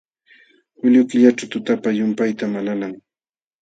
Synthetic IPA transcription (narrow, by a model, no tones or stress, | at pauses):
ʊʎʊkɪʎaʈ͡ʂawt̪ʊt̪apajʊmpajt̪amananaŋ